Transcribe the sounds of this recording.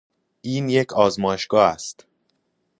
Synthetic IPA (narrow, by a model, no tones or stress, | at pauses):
ʔiːnje̞cʰɒːzmɒːjeʃɡ̥ɒːæst̪